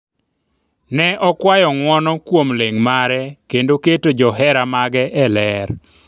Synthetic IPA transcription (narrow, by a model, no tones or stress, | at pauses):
nɛʔɔkwajɔŋwɔnɔkwomleŋmaɾɛkendoketod͡ʒɔɦɛɾamaɡɛʔɛlɛɾ